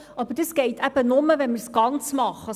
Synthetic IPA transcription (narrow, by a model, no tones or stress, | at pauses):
ʔɑbəɾd̥əsɡ̥eɪtʰæb̥ənoməvɛnməɾsɡ̥ɑnt͡smɑχə